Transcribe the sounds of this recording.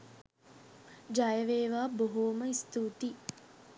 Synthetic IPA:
d͡ʒajəʋeːʋaːboɦoːməist̪uːt̪i

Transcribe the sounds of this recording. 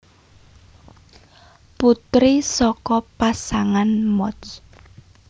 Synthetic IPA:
put̪ɾisɔkɔpasaŋanmɔs

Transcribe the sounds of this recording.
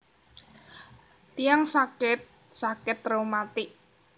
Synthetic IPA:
t̪ijaŋsakɪt̪̚ | sakɪt̪romat̪ɪʔ

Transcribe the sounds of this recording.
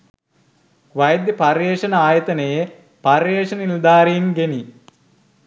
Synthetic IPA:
ʋɐjd̪jɐpaɾjeːʂɐnəaːjɐt̪ɐnəje | parjeːʂɐnəild̪aːɾijnɡeni

